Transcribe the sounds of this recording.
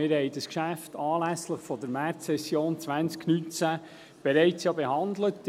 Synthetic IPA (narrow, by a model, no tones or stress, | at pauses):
ɪɾhɛɪd̥əskʃæftɑːlæsləχfɔd̪əɾmæɾɛsjoːnt͡sʋænt͡sknynt͡sæ | b̥ɛɾɛɪt͡sjɑːbehɑnd̪lət